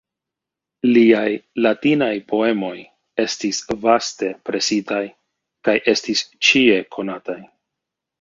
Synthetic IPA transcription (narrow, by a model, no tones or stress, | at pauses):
liajlatinajpo̞e̞mo̞j | e̞stisvaste̞pɾe̞sitaj | kajʔe̞stist͡ʃie̞kʰo̞nataj